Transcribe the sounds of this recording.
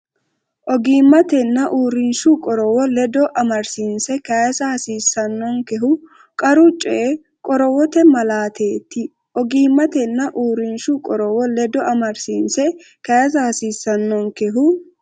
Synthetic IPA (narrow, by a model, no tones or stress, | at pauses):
ʔɔɡiːmːɐt̪ɛnːɐʔuːɾɪnʃʊkʼɔɾɔwɔlɛd̪ɔʔɐmɐɾsiːnsɛkɐjɐsɐhɐsiːsːɐnːɔŋkɛɦʊ | kʼɐɾʊt͡ʃʼːɛ | kʼɔɾɔwɔt̪ɛmɐlaːt̪ʰeːt̪ːɪ | ʔɔɡiːmːɐt̪ɛnːɐʔuːɾɪnʃʊkʼɔɾɔwɔlɛd̪ɔʔɐmɐɾsiːnsɛ | kɐjɐs̬ɐhɐsiːsːɐnːɔŋkɛɦʊ